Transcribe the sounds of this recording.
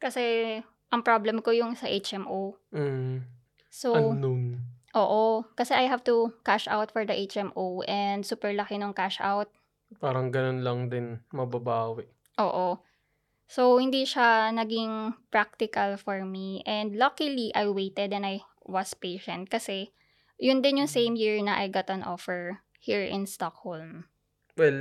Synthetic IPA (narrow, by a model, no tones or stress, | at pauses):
kɐsɛ | ʔɐŋpɹoblɛmkojʊŋsɐʔet͡ʃɛmʔow̩ | soɐnoŋʔoːʔokɐsɛʔajɦavt̪ʊkaʃʔa̰wt̪fɔɹd̪ɐʔet͡ʃʔɛmʔowʔɛnd̪suːpɛɹlɐkɪnoŋkaʃʔa̰wt̪̚ | paːɾɐŋɡɐnonlɐŋd̪ɪnmɐbɐbaːwɛ | ʔoːʔo | sowhɪnd̪iʃanɐɡɪŋpɹak̚t̪ɪkɐlfɔɹmiʔɛ̃nd̪lokiliʔajwejt̪ɛd̪ɛ̃naj | wɐspejʃɐ̃nt̪̚kɐsɛ | jʊnd̪ɪnjʊŋsẽjmjiɹnɐʔajɡat̪ɐ̃nʔofɛɹ | hiɹʔɪ̃nst̪ok̚holm | wɛl